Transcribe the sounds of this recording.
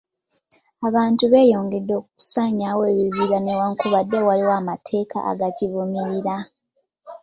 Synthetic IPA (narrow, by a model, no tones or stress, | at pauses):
aβaːntuβe̞ːjo̞ːŋɡe̞dːo̞ːkuu̥saɲawe̞ːβiβiɾanewaŋkuβadːe̞waliwaːmatʰe̞ːka̰ʔa̰ɡaciβumiɾiɾa